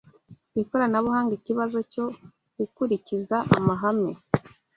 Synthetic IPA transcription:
βikoɾanaβuhaːŋɡiciβazo̞co̞ | ɡ̥ukuɾicizaʔa̰maɦame

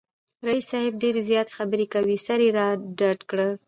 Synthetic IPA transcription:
ɾaisːɑhɪb̚ɖeɾezjɑt̪e̥xabəɾekawisaɾeɾɑɖaɖkɽə

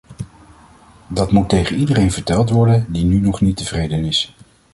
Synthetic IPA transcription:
dɑtmutejχənidərejnvəɹtɛlˠtʋɔɹdəndinynɔχnitəv̥rejdənɪs

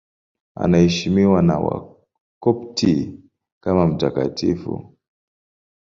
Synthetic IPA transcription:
a̰naɛʃimiwana̰wa̰ | kɔptʰi | kamam̩takatifṵ

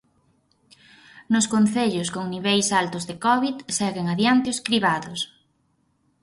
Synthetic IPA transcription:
nʊskonθeʎʊskoŋniβejsalt̪ʊzðekɔβit̪sɛɣeŋaðjant̪eoskɾiβaðʊs

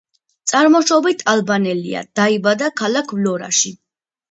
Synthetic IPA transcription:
t̪sʼaɾmɔʃɔbit̪ʰalˠbanɛlḭa̰d̪̥aibad̪akʰalakʰvlɔɾa̰ʃi

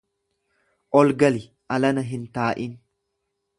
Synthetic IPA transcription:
ʔɔlɡɐlɪ | ʔɐlɐnɐɦɪnt̪aːʔɪn

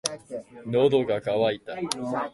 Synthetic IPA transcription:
nod̪oɡakaβait̪a

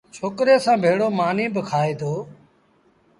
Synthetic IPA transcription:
t͡ʃʰoːkɾeːsãːbʱeːɽoːmaːniːbɪkʰaːeːd̪oː

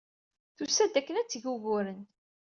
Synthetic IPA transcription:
θusæd̪ækːənæt͡sːʝuɣʊɾən

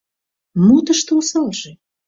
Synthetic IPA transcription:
mut̪əʃt̪eusɑlʒĕ

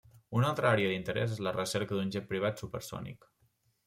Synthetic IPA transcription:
unalˠt̪ɾəaɾeəd̪int̪əɾɛ̰zezlərəsɛɾkəd̪unʲʒɛpɾiβ̞at̪supə̰ɾsɔ̰nḭk

